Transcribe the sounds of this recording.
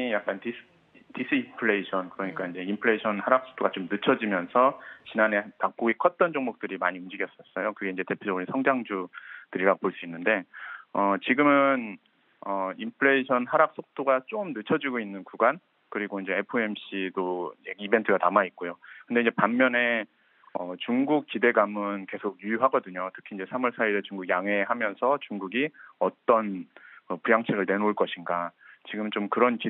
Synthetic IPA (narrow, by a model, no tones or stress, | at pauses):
ijak̚k͈anti̥ | tis͈ʰɯimpʰɯɭe̞iɕʰʌnkɯɾʌɲik͈aind͡ʑe̞impʰɯɭe̞iɕʰʌnhaɾak̚s͈ʰo̥k̚t͈oɡat͡ɕomnɯt͡ɕʰʌd͡ʑimjʌnsʰʌt͡ɕinane̞tak̚p͈oɡikʰʌt̚t͈ʌnd͡ʑoŋmok̚t͈ɯɾimaɲiumd͡ʑiɡjʌs͈ʌs͈ʌjokɯɡe̞ind͡ʑe̞te̞pʰjod͡ʑʌɡɯɾinsʰʌŋd͡ʑaŋd͡ʑud̥ɯɾiɾaɡopoɭs͈uinːɯnde̞ʌt͡ɕiɡɯmɯn | ʌimpʰɯɭe̞iɕʰʌnɦaɾak̚s͈ok̚t͈oɡat͡ɕ͈omnɯt͡ɕʰʌd͡ʑiɡoinːɯnkuɡan | kɯɾiɡoind͡ʑe̞epʰɯe̞mɕ͈ʰidoieibe̞ntʰɯɡatamait̚k͈ojokɯnde̞ind͡ʑepamːjʌne̞ | ʌt͡ɕuŋɡuk̚k͈ide̞ɡamɯnke̞sʰok̚jujuɦaɡʌdɯɲotʰɯ̥kʰiːnd͡ʑe̞sʰamɯɭsʰaiɾet͡ɕuŋɡuɡjaŋɦe̞hamjʌnsʰʌt͡ɕuŋɡuɡiʌt͈ʌnkɯpujaŋt͡ɕʰeɡɯɭne̞noɭk͈ʌɕʰinɡat͡ɕiɡɯmnt͡ɕomkɯɾʌnki